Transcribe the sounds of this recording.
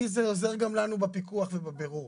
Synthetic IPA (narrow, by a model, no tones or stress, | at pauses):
izeoze̞ʁɡamlanubapikuaχvebabe̞ʁuʁ